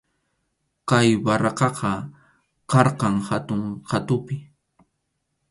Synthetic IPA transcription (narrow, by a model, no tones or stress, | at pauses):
kajwɑɾɑqɑqʰɑ | kɑɾqɑŋhat̪ʊŋqat̪ʊpɪ